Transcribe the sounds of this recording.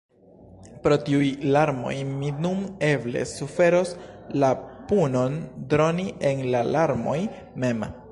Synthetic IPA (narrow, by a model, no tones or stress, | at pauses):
pɾo̞tiujlaɾmo̞̰jminume̞ble̞̰sufe̞ɾo̞slapuno̞ndɾo̞niʔe̞nlalaɾmo̞j | me̞m